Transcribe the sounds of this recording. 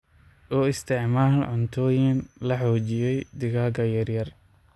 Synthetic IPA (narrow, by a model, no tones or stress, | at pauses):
ʔɔːɪst̪ʰɪʕmaːlʕʊnt̪ʰɔːjɪnlɐħɔːt͡ʃɪjɛjd̪ɪɣaːɡɐjɐrjɐr